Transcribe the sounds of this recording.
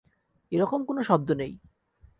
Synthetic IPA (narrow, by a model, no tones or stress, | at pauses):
eɾɔkomkonoʃɔb̚d̪onej